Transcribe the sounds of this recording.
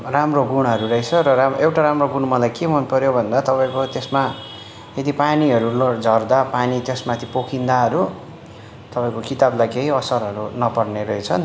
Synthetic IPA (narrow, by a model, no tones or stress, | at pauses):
ramroɡuɽ̃ɦʌɾuɾʌjt͡sʰʌɾʌɾamewʈaɾamroɡuɽ̃mʌlajkemʌnpʌɾjobʱʌnd̪at̪ʌpaĩkot̪esma | jed̪ipaniɦʌɾulʌd͡zʱʌrd̪apanit̪jesmat̪ʰipokʰind̪aɦʌɾu | t̪ʌpaĩkokit̪ablajkeɦiʌsʌɾɦʌɾunʌpʌrneɾʌit͡sʰʌn